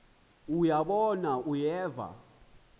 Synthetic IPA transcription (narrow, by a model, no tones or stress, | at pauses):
ujaɓɔnaʔujɛːva̰